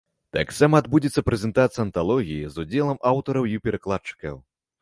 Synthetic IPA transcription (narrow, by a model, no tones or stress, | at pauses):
t̪a̰ksamɐːd̪bud͡zʲit̪sːɐpɾɛzʲɛnt̪at̪sɐɐnt̪alˠɔɣʲijizud͡zʲɛlˠɐmawt̪ɔɾɐwipʲɛɾɐklˠat͡ʂɨ̥kɐ̰w